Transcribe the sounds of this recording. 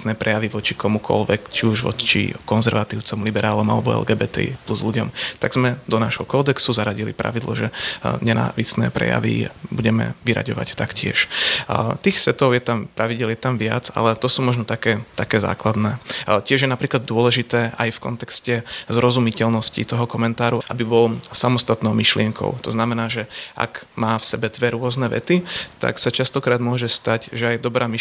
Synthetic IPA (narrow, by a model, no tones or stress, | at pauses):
snɛːpɾʔɛjaʋiʋɔt͡ʃikɔmukʰɔ̰lʋɛkt͡ʃiuʒʋɔ̰t͡ʃḭkɔnzɛɾʋat̪iːʊt͡sɔmlibɛɾaːlɔma̰lɛbɔɛ̰lɡɛːbɛːt̪ɛ̰ḭpluzluɟɔmt̪aɡzmɛd̪ɔnaʒɦɔkɔːd̪ɛksuzaɾaɟilḭpɾa̰ʋid̪lɔ̰ʒɛɲɛna̰ːʋisnɛ̰ːpɾɛ̰ja̰ʋḭbuɟɛmɛ̰ʋiɾa̰ɟɔʋa̰ct̪akcɪɛ̰ʃ | t̪iːxsʋɛt̪ɔʊjɛt̪amppɾaʋiɟɛljɛt̪amʋɪad͡za̰lɛt̪ɔsuːmɔʒnɔt̪akɛːt̪akɛːza̰ːklad̪nɛːcɪɛʒjɛnapɾiːklad̪̚d̪ʊɔlɛʒit̪ɛːʔa̰jfkɔ̰nt̪ɛkscɛzɾɔzumicɛlnɔscḭt̪ɔɦɔkɔmɛnt̪aːɾuʔabibɔlsamɔst̪at̪nɔʊmiʃlɪɛŋkʰɔ̰ʊt̪ɔznamɛnaːʒɛʔa̰kmaːfsɛbɛd̪ʋɛɾʊɔznɛʋɛ̰t̪it̪a̰ksat͡ʃast̪ɔkɾaːd̪mʊɔʒɛst̪acʒɛajd̪ɔbɾaːmi